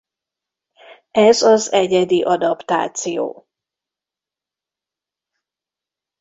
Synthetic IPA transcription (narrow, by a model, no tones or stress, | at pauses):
ɛzɒzɛɟɛd̪iʔɒd̪ɒpt̪a̰ːt̪sijo̰ː